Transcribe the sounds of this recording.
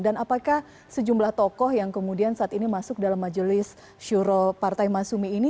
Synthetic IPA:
danapakah | səd͡ʒumblaht̪ɔkɔhjaŋkəmudiansaʔat̪inimasʊk̚dalamːad͡ʒəlɪs | ʃuɾopart̪ajmasumiːni

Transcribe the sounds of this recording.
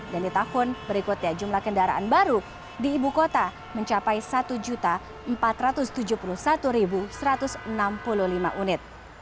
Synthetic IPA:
dandit̪ahʊnbəɾikʊt̪̚ɲad͡ʒumlahkəndaɾa̰ʔanbaɾu | diːbukot̪a | məɲt͡ʃapajsat̪ud͡ʒut̪a | əmpat̪ɾat̪ʊst̪ud͡ʒupulʊhsat̪uɾibusəɾat̪ʊsənampululima̰ʔunɪt̪̚

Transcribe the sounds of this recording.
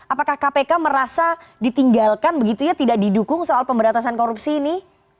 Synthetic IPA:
apakahkapekaməɾasadit̪iŋɡalkanbəɡit̪uɲat̪idaʔ̚didukʊŋsoalpəmbəɾat̪asankoɾupsiːnɪ

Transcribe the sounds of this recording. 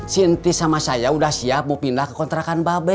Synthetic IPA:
siənt̪isamasajaudahsiap̚mopindahkə̥kɔnt̪ɾakanbabɛ

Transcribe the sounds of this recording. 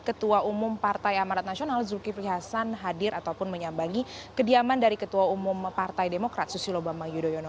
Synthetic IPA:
kət̪uaʔumʊmpart̪ajamaɾat̪̚nasionalzukipliɦasanɦadɪɾʔat̪awpʊnməɲambaŋikədiamandaɾikət̪uaumʊmpart̪ajdemokɾat̪̚susilobamajudojonɔ

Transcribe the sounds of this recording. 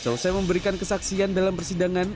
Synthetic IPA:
sausajaməmbəɾikankəsaksiandalampərsidaŋan

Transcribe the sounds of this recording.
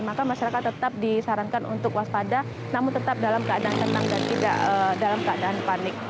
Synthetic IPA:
makamaʃaɾakat̪ːət̪ap̚disaɾankanunt̪ʊkwaspada | namʊnt̪ət̪ap̚dalamkəadaant̪ənt̪aŋdant̪ida̰ʔədalamkəadaanpanɪk̚

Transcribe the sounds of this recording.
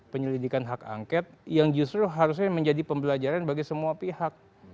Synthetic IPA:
pəɲəlidikanɦaka̰ŋkɛt̪̚jaŋd͡ʒust̪ɾuɦaɾus̬ɲaməɲd͡ʒadipəmbəlad͡ʒaɾanbaɡisəmuapihak̚

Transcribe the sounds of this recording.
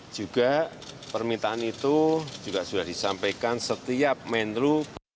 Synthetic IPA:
d͡ʒ̥uɡ̥apərmit̪aʔanit̪u̥d͡ʒ̥uɡ̥asudahd̥isampekansət̪iap̚mɛnd̪ɾu

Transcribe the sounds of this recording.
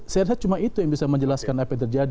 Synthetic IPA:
sajaɾsat͡ʃumait̪ujaŋbisaməɲd͡ʒəlaskanapajt̪ərd͡ʒad

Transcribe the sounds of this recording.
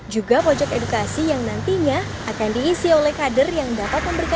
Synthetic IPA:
d͡ʒuɡapod͡ʒɔkedukasijaŋnant̪iɲa | akandiːsiolɛhkadərjaŋdapat̪̚məmbəɾika

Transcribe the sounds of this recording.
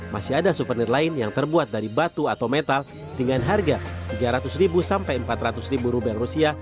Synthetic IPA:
masiadasufərnɪrlaɪnjaŋt̪ərbuat̪̚daɾibat̪uat̪awmet̪al | diŋanɦarɡat̪iɡaɾat̪ʊsɾibusampajəmpat̪rat̪ʊsɾibuɾubɛlrusia

